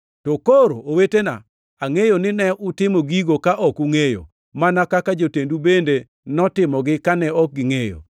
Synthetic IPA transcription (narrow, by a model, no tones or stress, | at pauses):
tokoɾo̰owetena̰ | aŋejonɪnɛʔʊtɪmoɡiɡokaʔɔkuŋejo̰ | manakakad͡ʒotendubende | nɔtɪmɔɡɪkanɛɔk̚ɡɪŋejo̰